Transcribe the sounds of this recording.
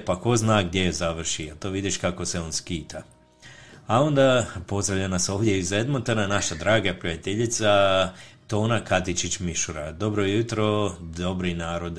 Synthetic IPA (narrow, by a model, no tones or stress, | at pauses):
pako̞znaːɡd̪ʲjejezaʋr̩ʃiat̪o̞ʋid̪iʃkako̞seo̞ːnskiːt̪ʰa | ao̞nd̪apo̞zd̪ɾaʋʎʲanaso̞ːʋd̪jeized̪mont̪ananaʃad̪ɾaːɡapɾiat̪eʎit̪sat̪o̞ːnakat̪it͡ʃit͡ɕmiʃuɾad̪o̞bɾojut̪ɾo̞d̪o̞bɾinaːɾo̞d̪